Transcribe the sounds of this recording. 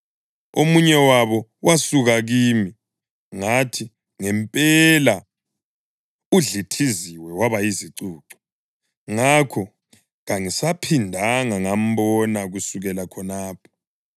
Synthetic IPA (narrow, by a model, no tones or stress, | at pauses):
omuɲɛwaβɔwasuɣaɣiːmi | ŋatʰi | ŋɛmpʼɛla | uɮitʰiziwɛwaβajiziǀuːǀɔ̥ | ŋakʰɔ | ɣaŋisapʰindʱaŋaŋam̩bɔnaɣusuɣɛlakʰɔnaːpʰɔ̥